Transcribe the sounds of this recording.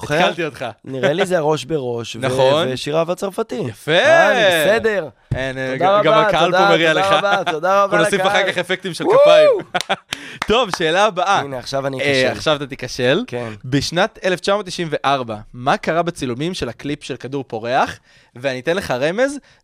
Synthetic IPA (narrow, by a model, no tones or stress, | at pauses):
ekalt̪io̞t̪χaniʁelizeaʁo̞ʃbeʁo̞ʃvnaχo̞neʃiʁavat͡saʁfat̪ijafebsed̪eʁ | enɡaʁɡamaaalomeʁialeχaat̪od̪aʁaenosiffaχakaχefek̚t̪imʃelkapaim | to̞vʃe̞ːlaːbaʔaneaχʃavania̰χʃavat̪at̪ikaʃe̞lkenbeʃnat̪eleft͡ʃamo̞t̪ːiʃimve̞ʔaʁbamakaʁabet͡silumimʃe̞laklipʃelkaduʁpo̞ʁe̞aχ | veanit̪enle̞χaʁe̞me̞z